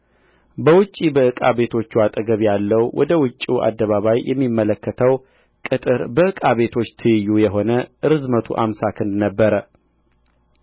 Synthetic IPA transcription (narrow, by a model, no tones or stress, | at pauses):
bəwʊt͡ʃʼːibəɨkʼa̰βe̞t̪ʰo̞t͡ʃːuat̪ʼəɡəβjalːəwwʔɔ̰d̪əwʊt͡ʃʼːiʔa̰d̪ːəβaβajjɛmːimːələkːət̪ʰəw | kʼɨt̪ʼɨɾbəɨkʼaβe̞t̪ʰo̞t͡ʃːt̪ʰɨjɨjːujɛɦo̞nəʔɨɾɨzmət̪ʰṵʔamsakʰɨnd̪nəbːəɾə